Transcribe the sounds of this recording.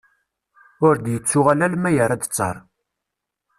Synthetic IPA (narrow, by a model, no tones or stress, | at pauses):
ʊɾd̪jət͡sːʊʁalælmæjəɾˤæd̪t͡sːɑ̰ɾˤ